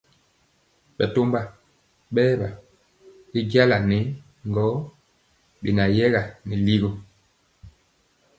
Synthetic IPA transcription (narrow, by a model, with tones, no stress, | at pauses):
ɓɛ˨to˦mba˦ | ɓɛː˦ɓa˨ | i˦ɡa˦la˨nɛ˨˦ | ŋɡɔ˨˦ | ɓi˨na˨jɛ˦ɣa˨ni˨li˦ɣo˨